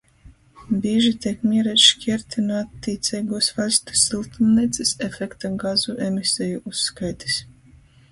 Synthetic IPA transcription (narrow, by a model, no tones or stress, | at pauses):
bʲiːʒit̪ʲiɛkmʲiɛɾɛʃkʲiɛɾt̪ʰinuat̪ːiːt̪sʲɛːɡuɔsvalʲst̪u̥sːilˠt̪umniɛt̪sisefʲɛkt̪aɡazuʔemisʲɛjuʔuskajt̪i̥s